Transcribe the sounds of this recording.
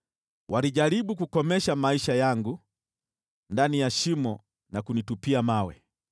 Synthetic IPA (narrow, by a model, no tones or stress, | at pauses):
wʔaɾiʄaɾiɓuk̬ukɔmɛʃamaiʃajaŋɡu | ndanijaʃimɔ | nakunitupiamawɛ̰